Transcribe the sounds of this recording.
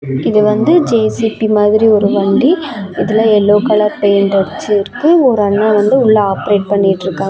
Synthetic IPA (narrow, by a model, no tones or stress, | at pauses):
ɪðɯʋɐnd̪ɯd͡ʒeːsipimaːðɪɾiɔɾɯʋɐɳɖiɪðɪlɐɛlːoːkɐɭɐɾpɐjɐɳɖɐɾt͡ʃːɯɾkːɯɔɾɯɐɳːãːʋɐnd̪ɯʊɭːɐaːpɐɾeːʈ̚pɐɳːɪʈːɾɯkːãːŋ